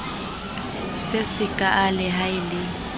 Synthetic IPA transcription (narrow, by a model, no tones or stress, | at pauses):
sɪsɪkʼaʔalɪɦaɪlɪ